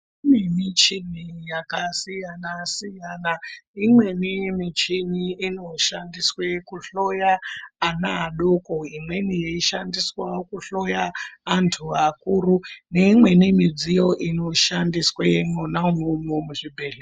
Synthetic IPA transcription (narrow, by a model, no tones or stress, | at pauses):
inimit͡ʃinijakasijanasijanaimwe̞nimit͡ʃiniino̞ʃandiswekuɬo̞jaːnaːɗokoimwe̞nijeiʃandiswakuɬo̞jaːntʰuakurune̞imwe̞nimid͡zijo̞ʔino̞ʃandiswenonaumomomuʐibʱeɮe